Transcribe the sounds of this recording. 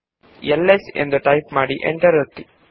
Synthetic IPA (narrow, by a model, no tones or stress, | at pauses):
ɛlːɛsɛ̰nd̪ɐʈɐɪpmaːɽiʔɛ̰ɳʈɐɾɐt̪ːi